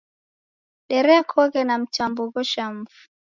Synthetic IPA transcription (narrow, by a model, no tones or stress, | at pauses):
ɗɛɾɛakʰɔɣɛnam̩t͡ʃambuɣɔʃam̩fu